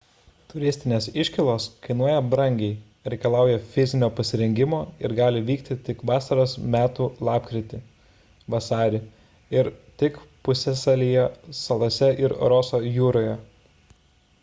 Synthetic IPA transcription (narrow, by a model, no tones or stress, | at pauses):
t̪ʊɾʲɪsʲt̪ʲɪnʲeːsɪʃʲkʲɪlˠoːskɐɪnuɔjɛbɾɐŋʲɡʲɛɪ | ɾʲɛɪkɐlˠɑˑʊjɛfʲɪzʲɪnʲoːpɐsʲɪɾʲɛŋʲɡʲɪmoːɪ̰ɾɡɑːlʲɪʋʲiːkt̪ʲɪt̪ʲɪkʋɑːsɐɾɐsmʲæːt̪ulˠɑːpkɾʲɪt̪ʲɪ | ʋɐsɑːɾʲɪ | ɪɾt̪ʲɪkpʊsʲɛsɐlʲijɛsɐlˠoːsʲɛɪɾɾɔsoːjuːɾoːjɛ